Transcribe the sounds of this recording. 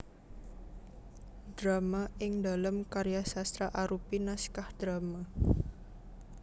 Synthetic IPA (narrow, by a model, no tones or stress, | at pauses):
d̥ɾamaɪŋdaləmkaɾjasast̪ɾaʔaɾupinaskahd̪̥ɾama